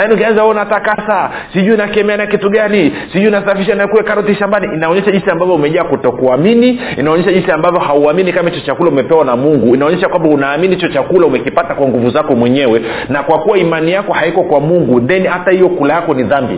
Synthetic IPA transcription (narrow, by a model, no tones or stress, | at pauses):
lakiniukianzaɔnatakasa | siʄuinakiɛmɛanakituɠanisiʄuinasafiʃanaɛkuwɛkaɾɔtiʃambaniʔinaɔɲɛʃaʄinsiambavjɔumɛʄaːkutɔkuaminiinaɔɲɛʃaʄinsiambavjɔhauaminikamait͡ʃɔt͡ʃakulaumɛpɛwanamuŋɡuinaɔɲɛʃakwambaunaːminit͡ʃɔt͡ʃakulaumɛkipatakwaŋɡuvuzakɔmwɛɲɛwɛ | nakwakuwaimanijakɔhaikɔkwamuŋɡuðɛnihatahijɔkulajakɔniðambḭ